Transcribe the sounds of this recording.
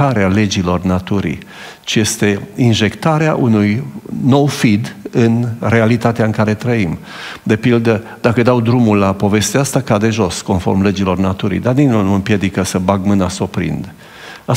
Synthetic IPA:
aɾeale̞d͡ʒilo̞rnat̪uɾḭ | t͡ʃije̞st̪e̞inʒe̞kt̪aɾeaʔunujno̞wfid̪ɨnre̞alit̪at̪eaɨŋkaɾe̞t̪ɾəim | d̪e̞pild̪ə | d̪̥akəd̪awd̪ɾumulːapo̞ve̞st̪east̪akad̪e̞ʒo̞sko̞nfo̞̰rmle̞d͡ʒilo̞rnat̪uɾḭjd̪arninulnuɨmpje̞d̪ikəsəbaɡmɨnaso̞pɾḭnd̪ | a

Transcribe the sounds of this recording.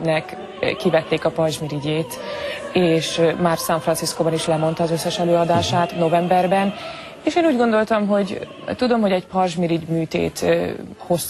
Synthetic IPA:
nɛk | kːivɛt̪ːeːkɒpɒrʒmiɾiɟeːt̪eːʃmaːrsɛɱfrɒnsiskoːbɒniʃlɛmo̞nt̪ɒːzø̞sːɛʃɛløːɒd̪aːʃaːt̪no̞vɛmbɛrbɛn | eːʃeːnuːɟɡo̞nd̪o̞lt̪ɒmɦo̞ɟ | t̪ud̪o̞mɦo̞ɟɛcpɒrʒmiɾiɟmyːt̪ḛːt̪ho̞s

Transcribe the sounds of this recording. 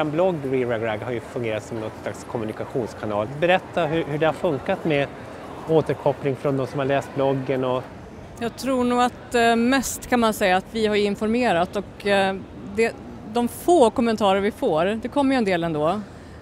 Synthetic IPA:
ɛnblɔɡːɾɪɾaɡɾaɡhaɾjɵfɵŋɡeːɾat̪sɔmnɔt̪slakskʰɔmɵnɪkaɧuːnskʰanɑ̰ːlbɛɾɛt̪ʰːaɦɵhɵɖɛhaɾfɵŋkat̪mɛ | oːt̪əɾkʰɔplɪŋfɾɔnd̪ɔmsɔmhaɭɛːst̪̚blɔɡːənɔ | jɑːɡt̪ʰɾuːɳuːɡat̪mɛst̪kʰanmansɛjːaːt̪vɪhaɾjɵɪnfɔɾmeːɾat̪ɔk | d̪ɛ | d̪ɔmfoːkɔmːɛnt̪ʰɑːɾəɾvɪfoːɾd̪ɛkʰɔmːjəɛnd̪eːlɛnd̪oː

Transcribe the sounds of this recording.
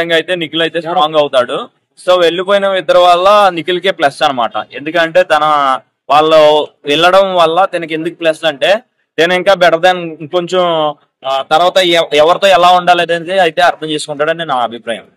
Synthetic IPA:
ɐŋɡɐjt̪e̞ːnikulɐjt̪e̞ːsʈɾaːŋɡɐwt̪aːɽu | so̞ːʋe̞ɭːip̬oːjinɐʋɪd̪ɐɾɐʋɐɭːɐnikulɐkeːplɐsɐnɐmaːʈɐ̰e̞nd̪ukɐɳʈe̞ːt̪ɐnɐ | ʋaːɭːoʋɛɭːɐɽɐmʋɐɭːɐt̪inɐke̞nd̪ukuplɐsɐɳʈe̞ː | t̪eːniŋkaːbɛɽɐd̪aːnko̞ɲt͡ʃom | t̪ɐɾʋaːt̪ɐɛʋɐɾit̪o̞ːɛlaːuɳɖaːleːd̪ɐnit̪eɐjt̪e̞ːɐɾt̪ʰɐmt͡ʃeːsu̥kuɳʈaːɽɐnenaːɐbʱipɾaːjɐ̰m

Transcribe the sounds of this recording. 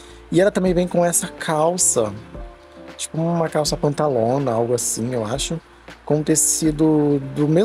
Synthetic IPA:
ɪɛlɐt̪ɐ̃mbẽj̃vẽj̃kõɛsɐkʰawsɐ | t͡ʃi̥pʊuũmɐkawsɐpɐ̃nt̪alõnɐawɡʊasĩewaʃʊ | kõʊ̃t̪esid̪ʊd̪ʊmez

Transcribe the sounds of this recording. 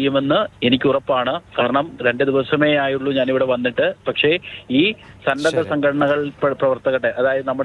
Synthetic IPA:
jume̞nːɨenikʲːurɐpːaːɳɨkaːɾɐɳɐmɾe̞ɳɖɨd̪iʋɐsɐme̞ːaːjuɭːuɲaːniʋiɽe̞ʋɐnːiʈːɨpɐkʂe̞iːsɐndɐd̪ɐsɐŋɡʰʱɐʈɐɳɐɣɐɭpprɐʋɐrt̪ɐɣɐʈːeʔɐðaːjɐðɨnɐmːuɽe

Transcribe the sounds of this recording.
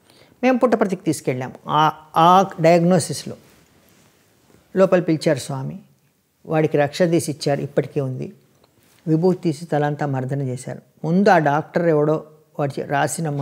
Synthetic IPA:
me̞ːmpuʈːɐpɾɐt̪ikit̪iːsu̥kɛɭːa̰ːmuː | ɖɐjɐɡnoːsislo̰ː | loːpɐlpilt͡ʃaːɾusʋaːmi | ʋʔaːɽikiɾɐkʂɐd̪iːsit͡ʃːaːɾṵipːɐʈi̥keːund̪ḭ | ʋibʱuːɦt̪iːsit̪ɐlɐnt̪aːmɐɾd̪ʱɐnɐt͡ʃeːsa̰ːɾu | mund̪uaːɖaːk̚ʈɐɾɛʋɐɽo̞ː | ʋaːɽit͡ʃɾaːsinɐm

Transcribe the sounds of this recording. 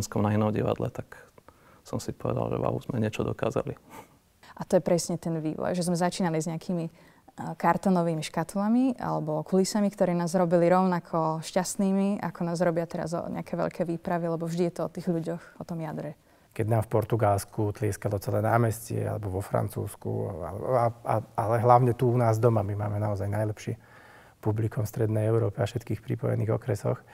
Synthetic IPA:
nskɔmnainɔmɟḭʋa̰d̪lɛ̰t̪ak | sɔmsipɔʋɛ̰d̪a̰lˠʒɛ̰ʋa̰ṵzmɛɲɪɛt͡ʃɔd̪ɔkaːza̰li | ʔat̪ɔjɛpɾɛsɲɛt̪ɛnʋḭːʋɔ̰jʒɛzmɛzat͡ʃiːnalizɲɛakʰiːmi | kaɾt̪ɔnɔʋiːmiʃkat̪lamia̰lɛbɔkulisamikt̪ɔɾɛːnaːzɾɔbiliɾɔʊnakʰɔʃcast̪niːmia̰kɔnaːzɾɔbɪat̪ɛɾa̰zɔ̰ɲʔɛ̰akʰɛʋɛ̰ʎkɛjʋiːpɾaʋialɛbɔvʒd̪ijɛt̪ɔɔt̪iːɣʎuɟɔxɔt̪ɔmjad̪ɾɛ | kɛɟnaːmfpɔɾt̪uɡalskut̪lɪɛskalɔt͡sɛlɛnaːmɛscɪɛ̰a̰lɛ̰bɔʋɔfɾa̰nt͡sṵːskṵa̰lɛaaalɛɦlaʊɲɛt̪uunaːzd̪ɔmamima̰ːmɛnaɔzajnajlɛpʃɪḭɛ | publikɔmst̪ɾɛd̪nɛjɛʊɾɔːpiafʃɛt̪kiːxpɾḭpɔ̰jɛ̰niːɣɔkɾɛsɔx

